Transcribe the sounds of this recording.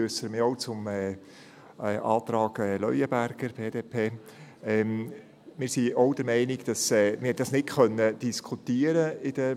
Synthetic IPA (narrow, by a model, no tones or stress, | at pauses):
øsəɾmɪɾɔʊt͡sʊmɛ | ɛːʔɑːt̪ɾɑːɡ̥ɛːlœʏəbæɾɡ̥əɾb̥eːdeːpʰeː | ɛm | mɪːɾsiɔʊd̥əɾmɛɪniɡd̥ɑsɛːmɪhɛt̚d̥ɑsnɪtkœnːəd̥iskʰut̪iəɾəɪd̥ə